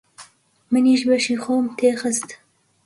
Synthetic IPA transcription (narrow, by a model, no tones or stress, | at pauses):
məniʃbaʃixomt̪exəst̪